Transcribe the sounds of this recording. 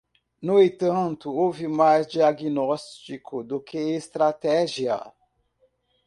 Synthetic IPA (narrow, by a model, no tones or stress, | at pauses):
nʊẽt̪ɐ̃nt̪ʊowvɪmajzd͡ʒiaɡinɔst͡ʃikʰʊd̪ʊkeest̪ɾat̪ɛʒiɐ̰